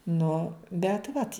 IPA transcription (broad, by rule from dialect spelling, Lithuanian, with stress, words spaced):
nʊ bʲɛt ˈʋɐt